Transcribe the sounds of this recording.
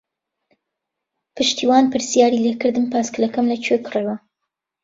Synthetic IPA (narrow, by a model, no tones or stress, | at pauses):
pɨʃt̪ʰiːwaːnpɨɾsijaːɾilekɨɾd̪ɨmpʰaːskɨlɐkɐmlɐt͡ʃʰekɨreːwɐ